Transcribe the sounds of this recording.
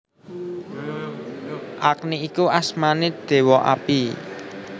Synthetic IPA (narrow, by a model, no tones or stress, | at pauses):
ʔak̚niikuʔasmaned̪̥e̤wɔʔa̰pi